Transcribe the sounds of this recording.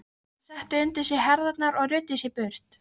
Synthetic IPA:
sɛht̪ʏʏnt̪ɪsjɛɦɛɾðaknaɾɔɣɾʏːt̪ɪsjɛpʏɾ̥t̪

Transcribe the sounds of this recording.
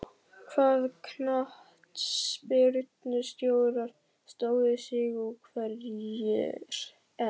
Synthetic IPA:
kʰvaːðkʰnah | t̪spɪɾt̪nʏst̪joːwðɾaɾ̥ | st̪oːwðɪsɪɣɔkʰvɛjjɛ̰ɾ̥ | ɛ

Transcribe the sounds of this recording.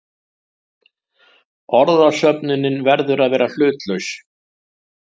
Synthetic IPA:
ɔɾðḁsœpnɪnːɪnvɛɾðʏɾaðvɛːɾal̥ʏːt̪lœɥs

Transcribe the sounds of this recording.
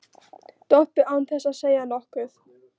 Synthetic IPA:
t̪ɔhpɪɾawnθɛsaðseːjanɔhkʏθ

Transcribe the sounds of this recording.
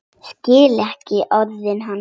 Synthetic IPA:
scɪːlɛhcɪʔœðvɪnɦan

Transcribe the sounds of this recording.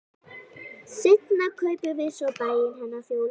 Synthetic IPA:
sɪt̪nakʰœɥpʏvɪðsɔpajɪnɦanːafjowl

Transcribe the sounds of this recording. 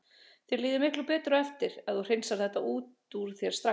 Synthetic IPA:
θjɛɾliːðɪmɪhklʏpɛːt̪ɾʏɛft̪ɪɾɛðθur̥ɪnsaɾ̥θɛht̪ːaʔuːt̪uɾ̥θjɛɾ̥st̪ɾa

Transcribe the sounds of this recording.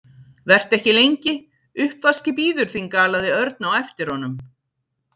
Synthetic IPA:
vɛr̥t̪ɛhcɪlejɲcɪ | ʏhpvascɪp̬iːðʏɾ̥θiŋkaːlaðɪœɾt̪̚nawɛft̪ɪɾ̥hɔnʏm

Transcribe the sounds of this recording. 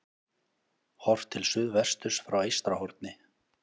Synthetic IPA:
hɔr̥v̥t̪ʰɪlsʏðvɛr̥st̪ʏsfɾawejst̪ɾahɔɾt̪nɪ

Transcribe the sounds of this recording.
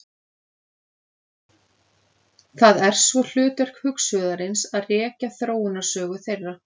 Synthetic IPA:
θaðɛɾ̥svɔl̥ʏːt̪ɛɾ̥khʏksœːðaɾɪnsaðrɛːcaθɾoːwʏnḁsœːɣʏθejrːa

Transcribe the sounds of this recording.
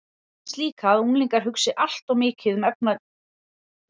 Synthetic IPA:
st̪liːkʰaðunliŋkaɾ̥ɦʏksɪʔal̥t̪ɔwmɪːcɪðmɛpna

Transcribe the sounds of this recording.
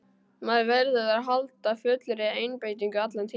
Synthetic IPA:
maðɾvɛɾðɪðaðɦalt̪afʏt̪lʏɾɪeːjnpeːjt̪̬iŋkʏat̪lɛnt̪ʰi

